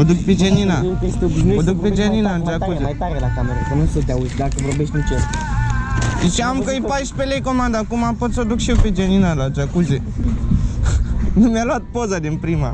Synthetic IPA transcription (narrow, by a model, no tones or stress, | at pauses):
əd̪ukped͡ʒenina | əd̪uk̚ped͡ʒeninand͡ʒakuzeaɾeakameɾəkənusət̪ʲaut̪d̪akəvorbeʃt̪ʲnit͡ʃe | iʃiamkəjpajʃpelejkomand̪akumapot̪sod̪ukʃiwped͡ʒeninalat͡ʃakuze | numjaloat̪̚pozad̪inpɾima̰